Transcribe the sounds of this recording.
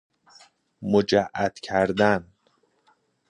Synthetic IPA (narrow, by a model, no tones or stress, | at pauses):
mod͡ʒæʔæd̪̥cʰæɾd̪æn